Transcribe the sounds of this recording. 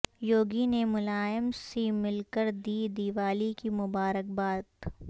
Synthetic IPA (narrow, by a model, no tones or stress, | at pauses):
joːɡinemʊlaːjəmsemɪlkəɾd̪iːd̪iːʋaːlikimʊbaːɾək̚baːt̪